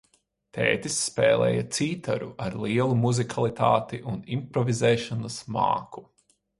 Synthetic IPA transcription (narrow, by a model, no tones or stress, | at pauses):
t̪ʰɛ̰ːt̪isːpɛ̰ːlˠɛ̰ːjɐt̪siːt̪aɾuʔaɾlˠiɛlˠumuzikʰalˠit̪aːt̪iʔunimpɾɔvizɛːʃanɐsma̰ːku̥